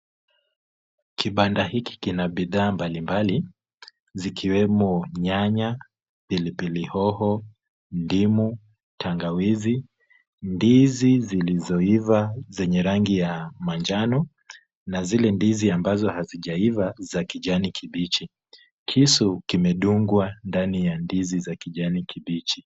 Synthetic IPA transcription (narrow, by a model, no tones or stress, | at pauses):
kiɓandahiki̥kinaɓiðaːmbalimbali | zikʰiwɛmɔɲaɲa | pilipilihɔhɔ | ndimu | tʰaŋɡawizi | ndizizilizɔivazɛɲɛɾaŋɡijamaɲd͡ʒanɔ | nazilɛndiziambazɔhaziʄaivazakiʄanikʰiɓit͡ʃi | kʰisukimɛɗuŋɡwandanijandizizakiʄanikiɓit͡ʃi